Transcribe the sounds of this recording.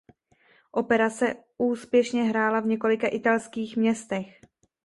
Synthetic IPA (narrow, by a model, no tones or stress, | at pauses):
ʔo̞pɛɾat͡sɛ | ʔuːspjɛʃɲɛɦɾaːlavɲɛko̞lɪkaʔɪt̪alskiːxmɲɛst̪ɛx